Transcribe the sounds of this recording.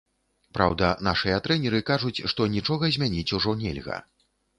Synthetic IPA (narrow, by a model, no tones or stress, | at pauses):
pɾa̰wd̪ɐnaʂɨjɐt̪ɾɛnʲɛɾɨkaʐut͡sʲʂt̪ɔnʲit͡ʂɔɣɐzʲmʲanʲit͡sʲuʐɔnʲɛ̰lʲɣɐ̰